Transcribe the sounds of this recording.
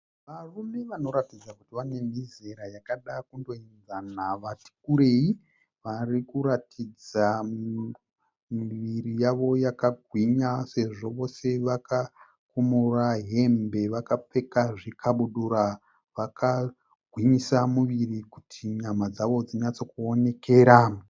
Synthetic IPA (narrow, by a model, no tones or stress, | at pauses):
ʋarume̞ʋano̞ɾatid͡zakutiʋane̞m̤ize̞ɾajakaɗakundo̞ind͡zanaʋati̥kuɾe̞i | ʋarikuɾatʰid͡za | miʋirijaʋo̞jakaɡʱwiɲase̞ʐo̞ʋo̞se̞ʋaka | kumuraɦe̞mbe̞ʋakap͡fe̞kaʐikʰaɓuɗuɾa | ʋakʰa | ɡʱwiɲisamuʋirikutʰiɲamad͡zaʋo̞d͡ziɲat͡so̞kuo̞ne̞ke̞ːɾa